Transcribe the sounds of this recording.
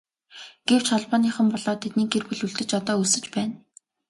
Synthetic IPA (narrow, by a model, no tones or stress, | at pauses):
ɡ̥ew̥t͡ɕχɔɮpɔːniːχə̆mpɔɮɔːt̪ʰet̪̚niːkerpɘ̆ɮuɮt̪ɘ̆t͡ɕɔt̪ɔːusɘ̆t͡ɕpæːn